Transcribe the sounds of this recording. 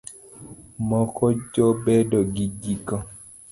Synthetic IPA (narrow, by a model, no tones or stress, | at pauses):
mɔkɔd͡ʒɔbɛdɔɡiɡikɔ